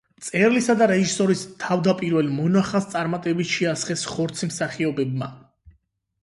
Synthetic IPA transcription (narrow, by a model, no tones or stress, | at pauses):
t̪sʼɛɾlisad̪aɾɛʒisɔɾist̪ʰavd̪apʼiɾvɛlˠmɔnaχast̪sʼaɾmat̪ʼɛbiʃiasχɛsχɔɾt̪sʰimsaχiɔbɛbma̰